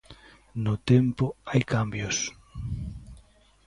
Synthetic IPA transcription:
nʊt̪ɛmpʊajkambjʊs

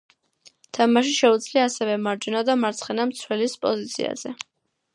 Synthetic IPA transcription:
t̪ʰamaʃiʃɛud̪zliaːsɛvɛmaɾd͡ʒunad̪amaɾt̪sʰχɛnamt̪sʰwɛlispʼɔzit̪sʰḭa̰z̥ɛ

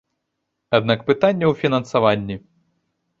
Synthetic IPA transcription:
ad̪nakpɨt̪anʲːɐwfʲinɐnsavanʲːi

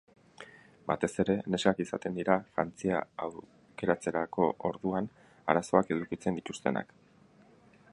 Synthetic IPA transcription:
ba̰t̪e̞se̞ɾe̞ne̞skakisat̪e̞nd̪iɾafɾant͡sia̰awɾ | ke̞ɾat͡se̞ɾako̞ʔoɾðuan | a̰ɾaso̞ake̞ðukit͡se̞nd̪it̪ust̪e̞̰na̰k

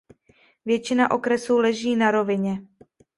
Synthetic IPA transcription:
vjɛt͡ʃɪnaʔo̞kɾɛsuːlɛʒiːnaɾo̞vɪɲɛ

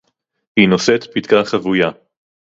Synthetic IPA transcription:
hinoset̪pit̪kaχavuja

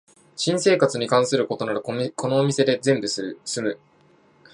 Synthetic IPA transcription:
ɕĩɰ̃se̞ːkat͡sɨɲ̟ikãɰ̃sɨɾɯ̟ko̞t̪o̞naɾɯ̟kʰo̞no̞ːmʲise̞d̪e̞zẽ̞mbɯ̟sɨmɯ̟

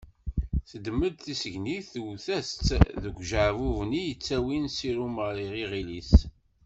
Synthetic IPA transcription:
θəd̪mːəd̪θisəʝniθwθæst͡sːðəɡʷʒəʕvuvnijət͡sːæwinsiɾuməɾˤiʁiʁilis

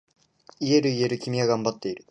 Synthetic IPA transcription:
ie̞ɾɯ̟ie̞ɾɯ̟kʲimʲiɡaɡãmbat̪ːe̞iɾɯ̟

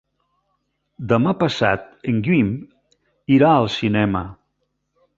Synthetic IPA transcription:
d̪əmapəsa̰t̪̚əŋɡim | iɾaəlˠsinɛmə

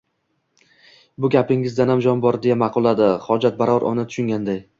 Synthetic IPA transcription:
bʊɡʲapɪŋɪzd̪anhamd͡ʒɒnbɒɾd̪ejamɑqʰʊlˠad̪ɪχɒd͡ʒat̪̚baɾɒɾʔɒ̰nɪt̪ʰʊ̥ʃʊŋɡʲand̪aj

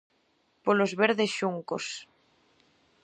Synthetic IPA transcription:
polozβeɾðesʃuŋko̰s

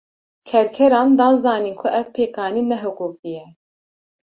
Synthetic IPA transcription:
kʰɛɾkʰɛɾɑːnd̪ɑːnzɑːniːnkʰʊʔɛvpʰeːkʰɑːniːnɛɦʊkuːk̚ijɛ

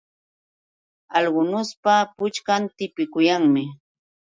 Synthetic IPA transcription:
ɑlɢʊnʊspapʊt͡ʃkant̪ɪpɪkʊjaŋmɪ

